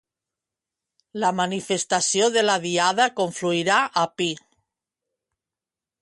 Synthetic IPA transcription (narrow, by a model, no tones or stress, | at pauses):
lamanifest̪asjoðelaðiað̞akoɱfluiɾaʔapi